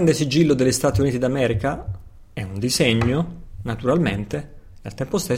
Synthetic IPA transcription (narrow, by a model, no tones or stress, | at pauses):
nd̪esid͡ʒilːod̪elːest̪aːt̪iuniːt̪id̪amɛːɾika | ɛund̪izɛɲːonat̪uɾalment̪e | nelt̪ɛmpost̪e